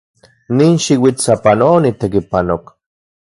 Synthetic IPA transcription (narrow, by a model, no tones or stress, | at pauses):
niːnʃiwit͡sapanoonit̪ekipanok